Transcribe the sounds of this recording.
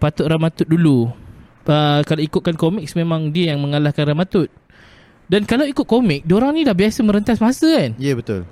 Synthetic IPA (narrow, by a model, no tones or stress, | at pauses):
pat̪ʊt̪̚ramat̪ʊt̪̚dulu | əkalawikʊt̪̚kankomɪk̚smẽmãŋdiəjaŋmə̃ŋalahkanramat̪ʊt̪̚ | dankalawikʊt̪̚komɪk̚dioɾaŋnĩlahbiasəmə̃ɾənt̪asmasəkanjəbət̪ʊ̰l